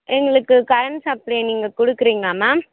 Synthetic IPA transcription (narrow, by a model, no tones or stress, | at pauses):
ɛŋɡɐɭɯkːɯkɐɾɐnsɐpːɐɽiniːŋɡɐkʊɽɯkːɪɾiːŋɡɐaːmaː